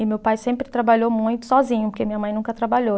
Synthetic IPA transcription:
ɪmewpajsẽmpɾɪt̪ɾabaʎomũj̃t̪ʊ̥sɔzĩɲʊpoɾkeɐmĩɲɐmɐ̃j̃nũkɐt̪ɾabaʎo

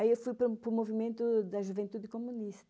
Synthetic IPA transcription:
ɐiewfujpɾupɾʊmovimẽnt̪ʊd̪ɐʒuvẽnt̪uðɪkomuniʃt̪

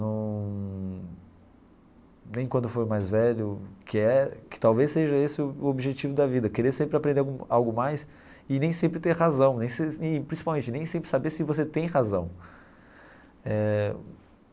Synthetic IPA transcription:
nɐ̃w̃ | nẽj̃kwɐ̃nd̪ʊfoɾmajzvɛʎʊkɪɛkɪ̥t̪awvesːeʒɐesɪʊobiʒet͡ʃivʊd̪ɐvid̪ɐkeɾesẽmpɾɪapɾẽnd̪eɡawɡʊmajs | ɪnẽj̃sẽmpɾɪt̪eɾhazɐ̃w̃nẽj̃sepɾĩsipawmẽt͡ʃɪnẽj̃sẽpɾɪ̥sabesɪvoset̪ẽj̃hazɐ̃w̃ | ɛ

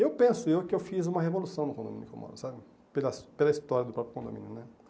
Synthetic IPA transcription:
ewpẽsʊewkɪewfizũmɐɦevolusɐ̃w̃nʊkõd̪o̰mĩnʊkḛwmɔ̰ɾʊsabɪ | pelɐspelɐist̪ɔɾjɐd̪ʊpɾɔpɾjʊkõd̪õ̰mḭ̃nʊnɛ

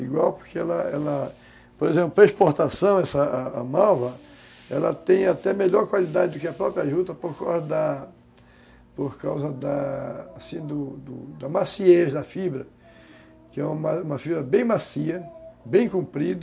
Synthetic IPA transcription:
ḭɡwawpoɾkeɛlɐɛ̰lɐ | poɾezẽplʊpɾɐiʃpoɾt̪asɐ̃w̃ɛsɐ̰ːmavɐ | ɛlɐt̪ẽj̃at̪ɛmeʎɔɾkwalid̪ad͡ʒɪd̪ʊkɪɐpɾɔpɾjaʒud̪ɐpoɾkawzɐd̪ɐ | poɾkawzɐd̪ɐːsĩd̪ʊd̪ʊ̰d̪ɐmasieʒd̪ɐfibɾɐ | kɪɛũmaũmɐfibɾɐbẽj̃masiɐbẽj̃kũmpɾid̪

